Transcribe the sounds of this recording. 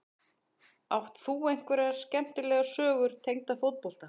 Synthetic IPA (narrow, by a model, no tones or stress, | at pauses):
awht̪θuejŋ̥kvɛɾɛɣaɾ̥scɛm̥t̪ɪlɛːɣasœːɣʏɾ̥t̪ʰejŋt̪afowt̪̚pɔl̥t̪a